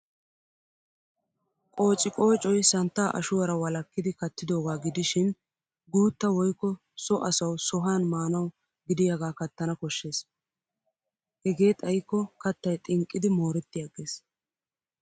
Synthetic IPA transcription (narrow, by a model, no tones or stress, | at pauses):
kʼo̞ːt͡ʃʼɪkʼo̞ːt͡ʃʼɔjsɐnt̪ːaːʔɐ̰ʃʊwɐɾɐwɐlɐkːɪd̪ɪkɐt̪ːɪd̪o̞ːɡaːɡɪd̪ɪʃɪn | ɡuːt̪ːɐwɔjkːɔ | sɔʔɐsɐwsɔɦaːnmaːnɐw | ɡɪd̪ɪjɐɡaːkɐt̪ːɐnɐkɔʃːe̞ːs | hɛɡe̞ːt̪ʼɐjkːɔkɐt̪ːɐjt̪ʼɪŋkʼːɪd̪ɪmo̞ːɾɛt̪ːɪjɐɡeːs